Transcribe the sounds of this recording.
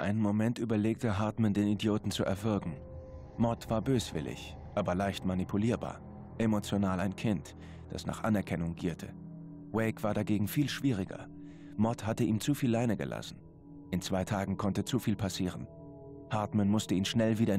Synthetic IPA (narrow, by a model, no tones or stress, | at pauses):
ʔa̰ɪnənmomɛntʔyːbɐleːk̚təɦaɐtmandeːnidjoːtn̩t͡suʔɛɐvɪɐkŋ̩ | mɔtv̥aːɐbøːsv̥ɪ̰lɪ̰ç | ʔaːbɐlaɪçtmanipʰuliːɐba̰ːɐ | ʔemot͡sjonaːlaɪnkʰɪnt | d̥a̰sna̰ːχʔanɛɐkʰɛnʊŋɡiːɐtʰə | wɛɪkv̥aːɐdaɡeːɡŋ̩fiːlʃv̥iːʁ̞ɪɡɐ̰ | mɔthatəʔiːmt͡sufiːlːaɪnəɡə̰lʔa̰sn̩ | ʔɪnt͡sv̥aɪtʰaːɡŋ̩kʰɔntət͡sufiːlpʰasiːʁ̞ən | haɐtmanmʊstəiːnʃnɛlviːɾɐ